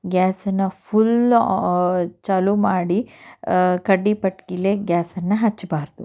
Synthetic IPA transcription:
ɡʲaːsɐnːɐpʰul | t͡ʃɐlumaːɽi | kɐɖːipɐʈkileɡʲaːsɐnːɐɦɐt͡ʃːbaːɾd̪u

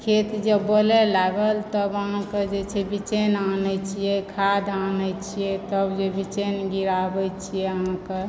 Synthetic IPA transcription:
kʰet̪d͡ʒəːolɛlaɡəlt̪əbəɦãked͡ʒet͡ʃʰɛbit͡ʃenanɛt͡ʃʰijɛkʰad̪anɛt͡ʃʰijɛt̪əbd͡ʒebit͡ʃenɡiɾabɛt͡ʃʰijɛəɦãke

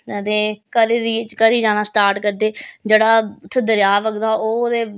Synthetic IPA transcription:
ət̪eːkəɾeːd̪iːt͡ʃkəɾiːd͡ʒaːnaːsʈaːɾʈkəɾd̪eːd͡ʒeːɽaːt̪ʰːeːd̪əɾjaːʋəkd̪aːʔoːd̪eː

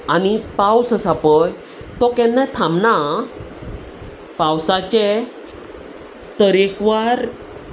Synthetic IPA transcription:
anipawsəsapəj | t̪ɔkɛ̃nːãt̪ʰamna | pawsat͡ɕe | t̪əɾekʋaɾ

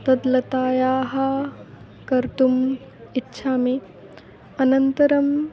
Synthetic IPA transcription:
t̪ɐd̪lɐt̪aːjaːɦɐ | kɐɾt̪um | itːʃʰaːme | ɐnɐnt̪ɐɾɐm

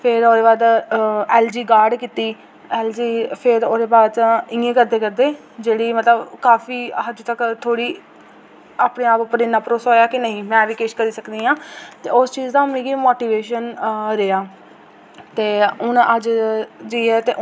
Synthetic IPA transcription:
pʰɪɾoːd̪eːbaːd̪ɛːld͡ʒiːɡaːɾɖkiːt̪iː | ɛːld͡ʒiːpʰɪɾoːd̪eːbaːt̪ːɪ̃ẽːkəɾd̪eːkəɾd̪eː | d͡ʒeːɽiːmət̪ləbkaːfiːɦəd͡ʒt̪əkt̪ʰoːɽiː | aːpɳẽːaːpəpəɾɪnãːpɾoːsoːjaːkɪnəɦĩːmɛ̃ːʋiːkeːʃkəɾiːsəkd̪iːãːt̪ḛːʊst͡ʃiːzd̪ãːmĩːɡiːmoːʈiːʋeːʃənɾeːaː | t̪eːʊnəd͡ʒd͡ʒiːɛːt̪eː

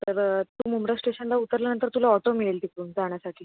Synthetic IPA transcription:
t̪əɾt̪uːmumɾasʈeɕənlaut̪əɾljanənt̪əɾt̪ulaɔʈomiɭelt̪ikuːnd͡zaɳ̃jasaʈʰiː

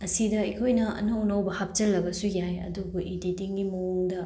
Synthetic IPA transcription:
ɐsidɐikʰojnɐɐ̰nɐwnɐwbɐhap̚t͡ʃɐlːɐbɐsujajɐ̰duɡuʔiditiŋɡimouŋdɐ

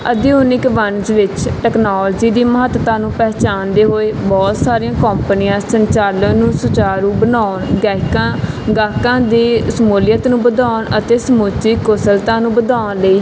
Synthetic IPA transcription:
əd̪iʊnɪkʋənd͡ʒʋɪt͡ʃʈɛːknaːld͡ʒiːd̪iːməɦət̪t̪ãːnũːpɛːt͡ʃaːnd̪eːɦoːeːbɔːt̪saːɾiãːkəmpənɪjãːsəɲt͡ʃaːlənũːsʊt͡ʃaːɾũːbənaːʊɳɡɛːkãː | ɡaːkãːd̪iːsəmoːlɪjət̪nũːbəd̪aːɳət̪eːsəmuːt͡ʃiːkʊsəlt̪ãːnũːbəd̪aːnləiː

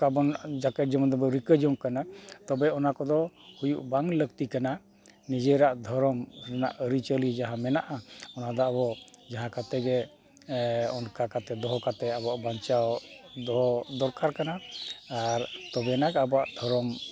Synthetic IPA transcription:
kabɔnd͡ʒakɛʈ̚d͡ʒɔmɔnd̪ɔbɔɾikəd͡ʒɔŋkanat̪ɔbɛɔnakɔd̪ɔhujuʔbaŋləkt̪ikana | nid͡ʒɛɾaʔd̪ʱɔɾɔmɾɛna̰ʔəɾit͡ʃəlid͡ʒaɦãmɛnaʔaɔnad̪ɔabɔd͡ʒaɦãkat̪ɛɡɛ | ɔnkakat̪ɛd̪ɔɦɔkat̪ɛabɔaʔbaɲt͡ʃawd̪ɔɔd̪ɔɾkaɾkanaː | ɾt̪ɔbɛnaɡɛabɔaʔd̪ʱɔɾɔm

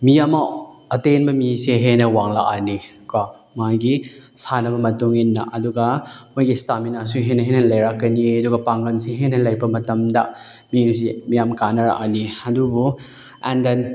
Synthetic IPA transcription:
mijamaɐtenbɐmiseɦenɐwaŋla̰ʔanika | majɡisanɐbɐmɐtuŋinːɐʔɐduɡɐmojɡistaminasuɦenɐɦenɐlɐjɾakːɐniɐduɡɐpaŋɡɐnseɦenɐlɐjpɐmɐtɐmdɐ | minus̬emijamkanɐɾa̰ʔaniɐdubu | ɛnden

